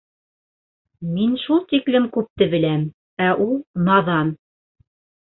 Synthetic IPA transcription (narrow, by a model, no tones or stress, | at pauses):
minʃulˠt̪iklɘmkʉp̚t̪ɘbɘ̆læm | æʔulˠnɑðɑn